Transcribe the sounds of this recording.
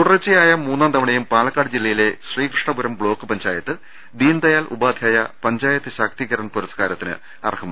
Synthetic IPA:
t̪uɽrɐt͡ɕːijaːjɐmuːnːaːnt̪ɐmɐɳɐjumpaːɭɐkːaːɖɨd͡ʑilːɐjile̞ɕriːkrɨʂɳɐbuɾɐmbɭo̞ːkːɨpɐɲd͡ʑaːjɐt̪ːɨ | d̪iːnd̪ɐjaːlʔṵbaːd̪ʱjaːjɐpɐɲd͡ʑaːjɐt̪ːɨɕaːk̚t̪iɣɐɾɐɳpuɾɐskaːɾɐt̪ːinɨ̰ | ɐ̰rhʰɐm̰ː

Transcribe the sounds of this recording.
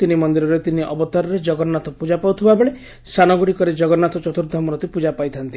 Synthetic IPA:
t̪inimɔnd̪iɾɔɾet̪iniʔɔbɔt̪aɾɔɾed͡ʒɔɡɔnːat̪ɔpud͡ʒapawt̪ʰibabeɭe | sanɔɡuɽikɔɾed͡ʒɔɡɔnːat̪ɔt͡ʃɔt̪uɾd̪ʱɔmɔɾɔt̪ipud͡ʒapajt̪ʰant̪i

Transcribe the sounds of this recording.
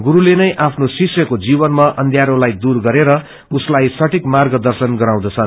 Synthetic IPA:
ɡuɾulenʌjʔapʰnosiksjʌkod͡zibʌnmaʔʌnd̪ʱjaɾolajd̪urɡʌɾeɾʌ | uslajsʌʈʰikmarɡʌd̪ʌrsʌnɡʌɾaw̃d̪ʌt͡sʰʌn

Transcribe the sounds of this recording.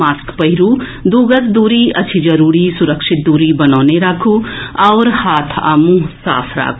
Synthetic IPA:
aːskpɐɦɪɾu | d̪uːɡəsd̪uːɾiɐ̰t͡ʃʃʰid͡ʒɐɾuːɾisʊɾəkʃɪt̪̚d̪uːɾibɐnaːneɾaːkʰuɔːɾhaːt̪ʰa̰ːmũsa̰ːpʰɾa̰ːkʰ

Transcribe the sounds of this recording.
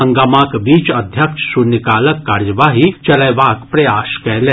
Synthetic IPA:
ɐŋɡaːmaːkbiːt͡ʃɐd̪ʱjɐkʃsunikaːlɐkːaːɾjɐʋaːɦit͡ʃɐlɐjʋaːkpɾɐjaːʃkɛlɛ

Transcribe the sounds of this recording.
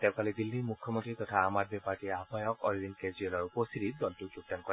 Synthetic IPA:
tɛʊ̃kalɛdilːimukʰjɔmɔntɹitɔtʰaːmad̚bɛpaɹtiabʱajɔkɔɹibinkezɹiɛlɔɹupɔstiɾidɔltʊɡuk̚tankɔɹɛ

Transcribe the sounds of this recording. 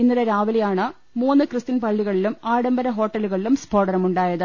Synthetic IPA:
inːɐɾeɾaːʋɐlɐjaːɳɨ | muːnːɨkrɨst̪inpɐɭːiɣɐɭilumaːɽɐmbɐɾɐɦo̞ːʈːɐluɣɐɭilumsbʱo̞ːɽɐɾɐmuɳɖaːjɐðɨ

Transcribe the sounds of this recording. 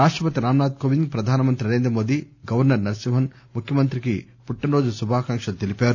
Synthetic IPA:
ɾaːʂʈɾɐpɐt̪iɾaːmnaːt̪koːʋiŋɡpɾɐd̪ʱaːnɐmɐnt̪ɾinɐɾe̞ːnd̪ɾɐmoːd̪i | ɡɐʋɐɾnɐɾnɐɾɐsimɦɐn | mukʰjɐmɐnt̪ɾiki | puʈːɐnɾoːd͡ʒɐsubʱaːkɐŋʂɐt̪elipaːɾu

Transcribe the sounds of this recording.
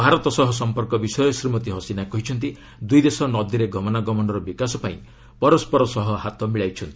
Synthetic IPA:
bʱaɾɔt̪ɔsɔɦɔs̬ɔmpɔɾkɔbisɔjɔsɾimɔt̪iɦɔsinakɔɦit͡ʃʰɔnt̪̬i | d̪ujd̪esɔnɔd̪iɾeɡɔmɔnaɡɔmɔnɔɾɔbikasɔpaĩ | pɔɾɔspɔɾɔsɔɦɔɦat̪ɔmiɭajt͡ʃʰɔnt̪i̥

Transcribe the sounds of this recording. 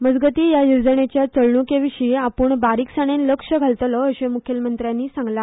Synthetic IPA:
məd͡zɡət̪iːjajuɾd͡zəɳ̃et͡ɕjat͡səɭɳukeʋiɕiːapuːɳbaɾiksəɽ̃enləkʂəɡʱalt̪lɔːɕemukʰjəlmənt̪ɾjanːiːsãŋɡla

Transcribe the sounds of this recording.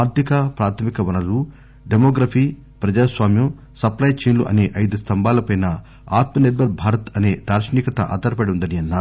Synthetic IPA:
aːɾt̪ʰikɐpɾaːt̪ʰɐmikɐʋɐnɐlu | ɖemoːɡɾɐfʰiː | pɾɐd͡ʒaːsʋaːmjɐm | sɐplɐjt͡ʃeːnluʔɐ̰ne̞ːʔɐjd̪ust̪ʰɐmbaːlɐpɐjnɐ | a̰ːt̪mɐneʈʋɐɾ̚bʱaːɾɐt̪ɐne̞ːd̪aːɾʃɐniːkɐt̪ɐʔa̰ːd̪ɐɾɐpɐɽund̪ɐniɐnːaː

